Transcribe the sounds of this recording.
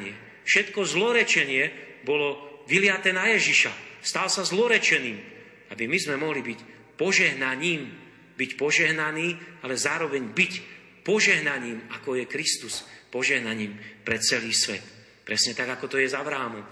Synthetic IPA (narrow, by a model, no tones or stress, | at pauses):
ɲɪɛ | fʃɛt̪kɔzlɔɾɛt͡ʃɛɲɪɛbɔlɔʋilɪat̪ɛːnajɛʒiʃast̪alsazlɔɾɛt͡ʃɛniːm | abimizmɛmɔɦlibic | pɔʒɛɦnaɲiːm | bicpɔʒɛɦnaniːalɛzaːɾɔʋɛɲbic | pɔʒɛɦnaɲiːmakɔjɛkɾist̪uspɔʒɛɦnaɲiːmpɾɛt̪t͡sɛliːsʋɛt̪ | pɾɛsɲɛt̪aɡakɔt̪ɔjɛzaʋɾaːmɔm